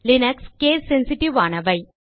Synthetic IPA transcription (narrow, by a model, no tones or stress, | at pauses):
lɪnɐkskeːsensɪʈiʋaːnɐʋɐɪ